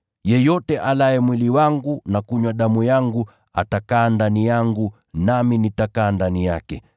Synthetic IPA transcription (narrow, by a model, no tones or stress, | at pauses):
jɛjɔtɛʔalaɛmwiliwaŋɡunakuɲwaɗamujaŋɡu | a̰takaːndanijaŋɡu | naminitakaːndanijakɛ